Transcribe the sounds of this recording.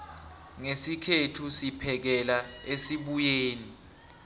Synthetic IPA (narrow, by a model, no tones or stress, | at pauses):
ŋesikʰetʰusipʰɛk̬ɛlaesiɓujeːni